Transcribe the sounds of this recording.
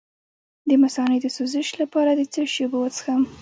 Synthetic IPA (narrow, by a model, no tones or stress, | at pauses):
d̪əmasɑnəjd̪əsuzəʃlapɑɾad̪ət͡səʃebowət͡sə̥xam